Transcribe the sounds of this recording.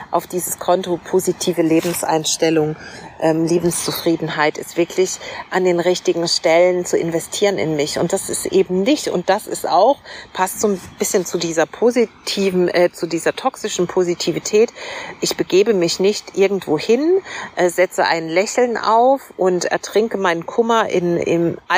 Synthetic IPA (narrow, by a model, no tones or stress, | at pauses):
ʔaʊfd̥iːzəskʰɔntopʰozitʰiːvəleːbm̩sʔa̰ɪnʃtɛlʊŋʔɛːmliːbm̩st͡sufʁ̥iːdn̩ɦaɪtɪstv̥ɪɐklɪçʔandeːnʁɪçtɪɡŋ̩ʃtɛlənt͡suɪ̰nvɛstʰiːʁənɪ̰nmɪçʊ̰ntd̥asɪstʔeːbm̩nɪçtʊ̰nt̚d̥asɪsta̰ʊxpʰastz̥oːnb̥ɪsçənt͡sudiːzɐpʰozitʰiːvɛt͡sudiːzɐtʰɔksɪʃn̩pʰozitʰiːvitʰɛːtʔɪçb̥əɡeːbəmɪçnɪçtʔɪɐɡŋ̩tv̥oːhɪnʔɛːz̥ɛt͡səʔa̰ɪnlɛçl̩nʔa̰ʊfʔʊntɛ̰ɐtʁ̥ɪŋkəmaɪnənkʰʊmɐʔɪ̰nʔɪ̰mʔa